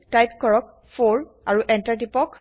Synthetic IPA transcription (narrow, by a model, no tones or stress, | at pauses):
tajp̚kɔɹɔk̚ | fʰoɹ | aɹuʔɛntaɹtipɔk